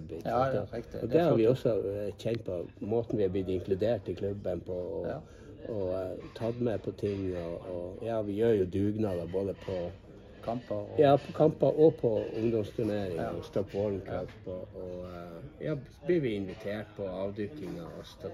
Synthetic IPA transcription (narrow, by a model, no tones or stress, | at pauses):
bɪsɑnt̪ɔɔd̪ɛhɑɾʋɪɔsːɔçɛnt̪̚pʰɔmoːt̪n̩ʋɪhɑb̪ɪt̪ːɪŋklʉd̪eːʈɪkʰlʉbːənpʰɔː | ɔt̪ʰɑd̪mɛpʰɔt̪ʰɪŋːɔːjɑːʋɪjøːɾjʊd̪ʉːɡnɑd̪əboːd̪əpʰɔ | jɑːpʰɔkʰɑmpɑʔɔpʰɔʊŋd̪ɔmst̪ʰʉneːɾɪŋɔst̪ɔpːbɔlnkʰɑpːɔɔ | jɑː | blɪɾʋɪɪnʋɪt̪ʰeːʈ̚pʰɔɑːʋd̪ʏkɪŋɑɔst̪ɔ